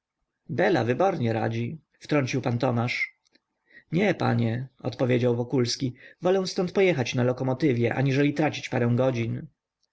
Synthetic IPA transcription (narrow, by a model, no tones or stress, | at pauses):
bɛla̰vɘbɔɾɲɛɾa̰d͡ʑi | ft̪ɾɔɲʲt͡ɕiwpant̪ɔmaʂ | ɲɛpa̰ɲɛɔ̰t̪pɔvʲjed͡ʑawvɔkulskʲivɔlɛw̃st̪ɔnt̪̚pɔjɛxat͡ɕnalɔkɔmɔt̪ɘvʲjɛʔa̰ɲiʐɛlʲit̪ɾat͡ɕi̥t͡ɕpaɾɛ̃w̃ɡɔd͡ʑin